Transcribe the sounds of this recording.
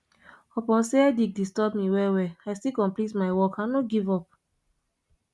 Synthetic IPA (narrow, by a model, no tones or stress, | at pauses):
ɔpɔ̃nseɛdik̚distɔbmiwɛwɛajstikɔ̃nplitmaɪwɔkanoɡivɔp̚